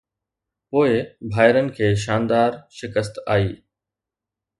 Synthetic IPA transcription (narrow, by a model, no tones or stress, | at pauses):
poːɪbʱaːɪɾənɪ̆kʰeːʃ̬aːnd̪aːɾʃɪkəst̪a̰ːiː